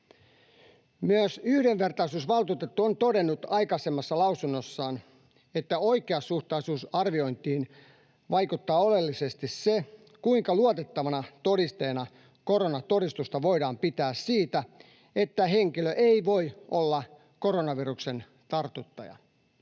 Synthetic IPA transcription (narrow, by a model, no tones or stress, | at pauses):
myøsyhdeʋʋe̞rt̪ɑisuːsʋɑlt̪uːt̪et̪ːuont̪o̞de̞nːut̪ɑjkɑsemːɑsːɑlɑusunːosːɑːn | e̞t̪ːæoikeɑsːuht̪ɑisuːsɑrʋio̞int̪iːn | ʋɑjkut̪ːɑːo̞le̞lːise̞st̪isse | kuiŋkɑluot̪et̪ːɑʋɑnɑt̪o̞ɾist̪eːnɑ | ko̞ɾo̞nɑt̪o̞ɾist̪ust̪ɑʋo̞idɑːmpit̪æːssiːt̪æ | e̞t̪ːæɦeŋkiløʔeiʋo̞jʔolːɑ | ko̞ɾo̞nɑʋirukse̞n | t̪ɑrt̪ut̪ːɑjɑ̰